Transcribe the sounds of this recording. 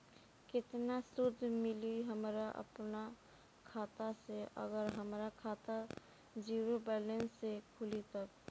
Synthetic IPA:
kɪt̪nasʊɾd̪ʱmɪliɦəmɾaʔə̰pna | kʰaːt̪aseʔə̰ɡəɾɦəmɾakʰaːt̪a | d͡ʒiːɾobɛːlə̃nsːekʰʊlit̪ək

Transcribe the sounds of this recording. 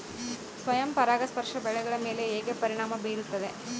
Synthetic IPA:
sʋɐjɐmpɐɾaːɡɐspɐɾʂɐbɛɭɛɡɐɭɐme̞ːle̞eːɡepɐɾiɳaːmɐbeːɾut̪ːɐd̪e

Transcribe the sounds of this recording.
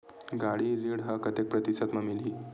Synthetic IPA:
ɡaɽiːɾiɽɦəkət̪ek̚pɾət̪isət̪məmiliː

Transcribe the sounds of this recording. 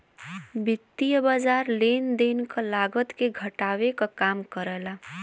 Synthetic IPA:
bit̪ːijəbad͡ʒaɾlend̪enkəlaɡət̪keɡʱəʈawekɔkamkəɾɛla

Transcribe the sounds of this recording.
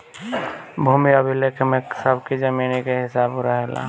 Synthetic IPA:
bʱumiəbʱilekʰmeksəbʱkid͡ʒəminikeɦɪsaːbɾaɦɛla̰

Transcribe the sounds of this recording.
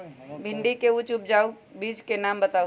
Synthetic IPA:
bʱɪɳɖikeut͡ʃʊp̚d͡ʒaːu | biːd͡ʒkenaːmbət̪aːu

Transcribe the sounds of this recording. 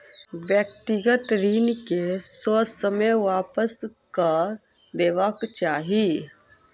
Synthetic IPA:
ʋjək̚t̪ɪɡət̪ɾiːnkesoːsəməjʋaːpəskə | d̪eːʋakt͡ʃaːɦi

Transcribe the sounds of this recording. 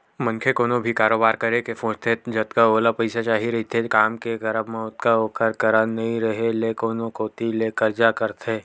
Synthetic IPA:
mɐ̃nkʰekoːnõbʱikaːɾoːbaːɾkɐɾekefõːd͡ʒt̪ʰed͡ʒɐt̪kaoːlapɐɪsat͡ʃaːɦiɾɐɦit̪ʰekaːmkeɡɐɾəbmẽʊt̪kaoːkəɾkɐɾanɐɦĩɾɐɦelekoːnõkoːt̪ileːkəɾd͡ʒakɐɾt̪ʰeː

